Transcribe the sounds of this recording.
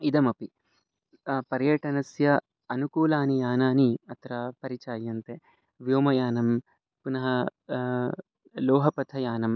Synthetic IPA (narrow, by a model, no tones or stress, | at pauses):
id̪ɐmɐpi | pɐɾjɐʈɐnɐsjɐ | ɐnukuːlaːnijaːnaːniɐt̪ɾɐpɐɾit͡ʃaːjɐnt̪e | ʋjoːmɐjaːnɐm | punɐɦɐ | loːɦɐpɐt̪ʰɐjaːnɐm